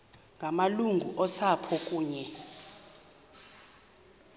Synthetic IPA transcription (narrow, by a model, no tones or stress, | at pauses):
ŋɡʱamaluŋɡʱuʔɔsapʰɔkʼuːɲɛ